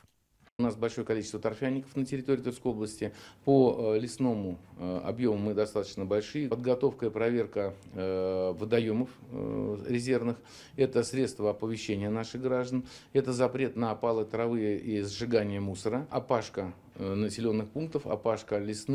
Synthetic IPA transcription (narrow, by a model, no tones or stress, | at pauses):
ʊnasbɐlʲʂo̞jəkɐlʲit͡ɕɪst̪vət̪ɐrfʲanʲːɪkə̥fnətʲɪɾʲɪt̪o̞ɾʲɪːt̪urskəjo̞blˠəsʲtʲɪpolʲɪsno̞mʊɐ̰bjo̞mʊmɨd̪ɐst̪at̪ə̥t͡ɕnəbɐlʲʂɨjəpəd̪̚ɡɐt̪o̞fkəɪpɾɐvʲe̞rkə | vəd̪ɐjo̞məf | ɾʲɪzʲe̞rvnɨx | ɛt̪əsɾʲet̪st̪vəɐpəvʲɪɕːenʲɪjənaʂɨɣɡɾaʐd̪ənɛt̪əzɐpɾʲe̞t̪nəːpalˠət̪əɾɐvɨjəʔizʐɨɡanʲɪjəmusəɾəɐpaʂkə | nəsʲɪlʲo̞nːɨxpunk̚t̪əfɐ̰paʂkəlʲɪsn